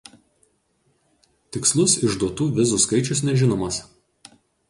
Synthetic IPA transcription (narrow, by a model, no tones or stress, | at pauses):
t̪ʲɪkslˠʊsɪʒd̪uɔt̪uːʋʲɪzuːˑskɐɪt͡ʃʲʊsnʲɛʒʲɪnoːmɐs